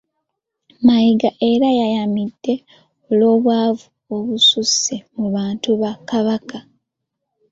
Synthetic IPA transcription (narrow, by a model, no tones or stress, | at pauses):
majiɡaʔe̞ɾajajamid̥ːe̞ | olo̞ːβwaːvu | oβususemuβaːntuβakaβaka